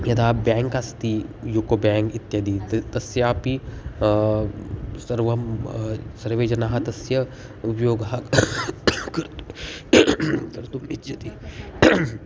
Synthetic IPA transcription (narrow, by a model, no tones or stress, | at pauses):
jɐd̪aːpbɛ̃ːŋkast̪ijukobɛ̃ːŋkɪt̪jɐd̪it̪t̪ɐsjɐaːpi | sɐɾʋɐm | sɐɾʋeːd͡ʒɐnaːɦɐt̪ɐsjɐ | upjoːɡɦɐk | kɐɾt̪ | t̪ɐɾt̪umɪtd͡ʒɐt̪i